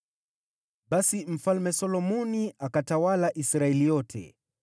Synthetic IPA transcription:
ɓasim̩falmɛsɔlɔmɔniakatawalaʔisɾaɛlijɔtʰɛ̰

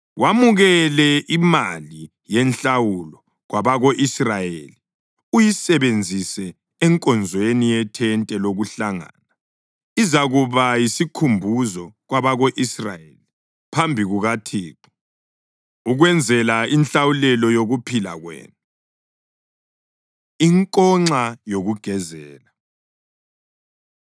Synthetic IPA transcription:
wamuɣɛlɛʔimali | jɛnɬawulɔ | ɣwaβaɣoʔisrajḛli | ujisɛβend͡zʱisɛː | ŋkʼɔnd͡zʱwenijɛtʰɛntʼɛloɣuɬaŋa̰na | izaɣuβajisikʰumbʱuzɔɣwaβaɣoʔisra̰jḛli | pʰambʱiɣuɣatʰiːǃɔ̥ | uɣwɛnd͡zʱɛlainɬawulɛlɔjoɣupʰila̰ɣwɛ̰ːn | iŋkʼɔŋ͡ǀajoɣuɡ̥ʱɛzɛːla

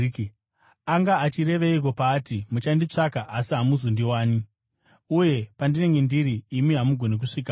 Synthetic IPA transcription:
aŋɡaːt͡ʃiɾe̞ʋeik̬o̞paːtimut͡ʃandit͡ʂakaʔasiɦamuzondiwaːni | uje̞pandine̞ŋɡe̞ndiɾiːmiɦamuɡʱo̞nek̬uʂiːka

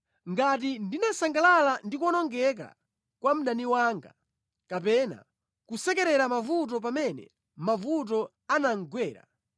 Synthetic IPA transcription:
ŋɡat̬indinasaŋɡalalandikwɔnɔŋɡɛk̬a̰ | kwam̩ɗaniwaːŋɡa̰ | kapɛna̰ | kusɛkɛɾɛɾamavut̬ɔp̬amɛnɛ̰ | mavut̬ɔ | anaŋ̩ɡwɛːɾa̰

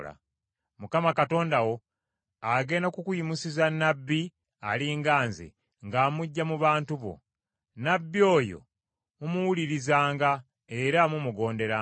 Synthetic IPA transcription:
la̰ | mukamakato̞ːndawo̞ | aɡe̞ːnakukujimusizanːabːi | a̰liŋɡaːnzḛ | ŋɡaːmuɟːamuβaːntuβo̞̰ | nabːio̞ːjo̞̰ | mumuwuliɾizaːŋɡa | e̞ɾamumuɡo̞ːnde̞ɾa

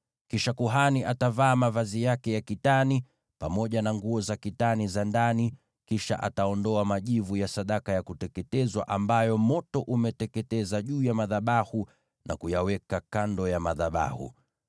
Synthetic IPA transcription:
kiʃakuɦaniʔatavaːmavazijakɛjakitani | pamɔʄanaŋɡuɔzakitanizandani | kiʃa̰ʔa̰taɔndɔamaʄivujasaɗakajakutɛkɛtɛzwa̰ʔambajɔmɔtɔʔumɛtɛkɛtɛzaʄuːjamaðaɓahu | na̰kujawɛkakandɔjamaðaɓa̰hṵ

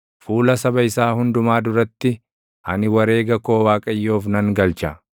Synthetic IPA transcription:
fuːlɐsɐbɐɪsaːhʊnd̪ʊmaːd̪ʊɾɐt̪ːɪ | hɐnɪwɐɾe̞ːɡɐkoːwaːkʼɐjːoːfnɐŋɡɐlt͡ʃɐ

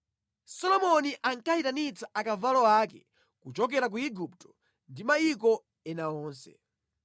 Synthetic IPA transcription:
sɔlɔmɔniʔaŋkaitanit͡saʔakavalɔakɛ | kut͡ʃɔk̬ɛɾak̬uiɡup̚tɔ̥ | ndimaik̬ɔ | ɛnaɔːnsɛ̰

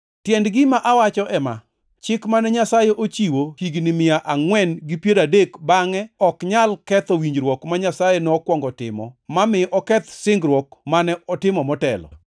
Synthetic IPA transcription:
tjɛndɡɪmaʔawat͡ʃɔʔɛma̰ | t͡ʃɪkmanɛɲasajɛʔot͡ʃiwohiɡnɪmɪaʔaŋwɛnɡɪpjeɾadekbaŋɛɔkɲalkɛt̪ɔwiɲd͡ʒɾwɔkmaɲasajɛnɔkwɔŋɡɔtɪ̰mɔ̰mamɪʔɔkɛt̪sɪŋɡɾwɔkmanɛɔtɪmɔmɔtɛ̰lɔ̰

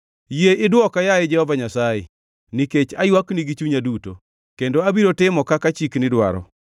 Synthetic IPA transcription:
jeʔɪdwɔkajajɪd͡ʒɛhɔvaɲasajḛ | niket͡ʃajwakniɡit͡ʃuɲaduto | kendoabiɾotɪmɔkakat͡ʃiknɪdwa̰ɾɔ̰

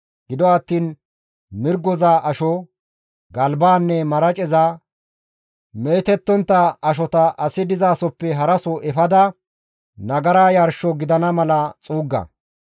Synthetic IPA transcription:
ɡ̥ɪd̪ɔɐt̪ːiːn | mɪɾɡɔzaːʔɐʃɔ | ɡɐlbaːnːɛmɐɾɐt͡ʃʼɛzaː | meːt̪ɛt̪ːɔnt̪ːɐɐʃ̬ɔt̪ɐʔɐsɪd̪ɪzaːsɔpːɛɦɐɾɐsɔʔɛfɐd̪ɐ | nɐɡɐɾaːjɐɾʃɔɡɪd̪ɐnɐmɐlɐt͡sʼuːɡːɐ̰

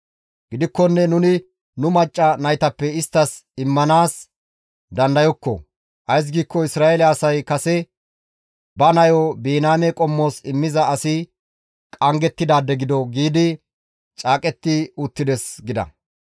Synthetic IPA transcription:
ɡɪd̪ɪkːɔnːɛnʊnɪ | nʊmɐt͡ʃʼːɐnɐjt̪ɐpːɛɪst̪ːɐsɪmːɐnaːs | d̪ɐnd̪ɐjɔkːɔ̰ | ʔɐjs̬ɡiːkːɔɪsɾaːɛlɛɐsɐjkɐsɛ | bɐnɐjobeːnaːmɛkʼɔmːo̞ːsɪmːɪzɐɐsɪ | kʼɐŋɡɛt̪ːɪd̪aːd̪ɛɡɪd̪ɔɡiːd̪ɪ | t͡ʃʼaːkʼɛt̪ːɪʊt̪ːɪd̪ɛsɡɪd̪ɐ̰

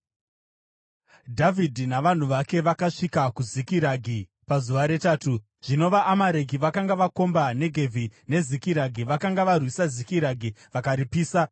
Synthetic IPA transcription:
dʱavidʱinaʋan̤uʋake̞ʋakaʂikakuzikiɾaɡʱi | pazuʋaɾe̞taːtu | ʐ̥ino̞ʋaʔːmaɾe̞ɡʱiʋakaŋɡaʋako̞mbane̞ɡʱe̞vʱine̞zikiɾaɡʱiʋakaŋɡaʋarwisazikiɾaɡʱiʋakaɾipiːsa

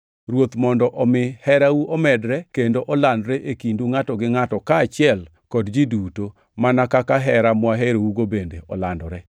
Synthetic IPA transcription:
ɾwot̪mɔndɔʔɔmɪhɛɾawuʔɔmɛdɾɛkendoʔɔlandɾɛʔekinduŋatɔɡɪŋatɔkaːt͡ʃɪɛl | kɔdd͡ʒiduto | manakakaɦɛɾamwaɦeɾouɡobendeʔɔ̰landɔɾɛ

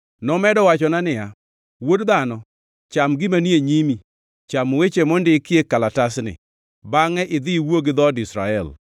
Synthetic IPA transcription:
nɔmɛdɔwat͡ʃɔnanɪja | wodd̪anɔ | t͡ʃamɡɪmanieɲimi | t͡ʃamwet͡ʃemɔndɪkjekalatasnɪ̰ | baŋɛʔɪd̪ɪwoɡɪd̪ɔdɪsɾa̰ɛl

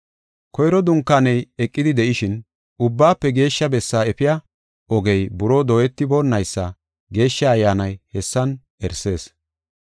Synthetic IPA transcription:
kɔjɾɔd̪ʊŋkːanɛjɛkʼːɪd̪ɪd̪ɛʔɪʃɪn | ʊbːaːpːɛɡe̞ːʃːɐbɛsːaːɛpɪjɐ | ɔɡɛjbʊɾo̞ːd̪oːjɛt̪ːɪbo̞ːnːɐjsːɐ | ɡe̞ːʃːɐːjːaːnɐjhɛsːɐn | ɛɾse̞ːs

